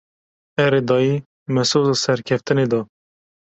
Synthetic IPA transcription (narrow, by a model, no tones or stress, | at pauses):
ɛɾed̪ɑːjiː | mɛsoːzɑːsɛɾkʲʰɛft̪ɨned̪ɑ